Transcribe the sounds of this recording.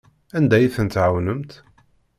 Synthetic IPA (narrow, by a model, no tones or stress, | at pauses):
ænd̪æjiθənt̪ʕawnəmt̪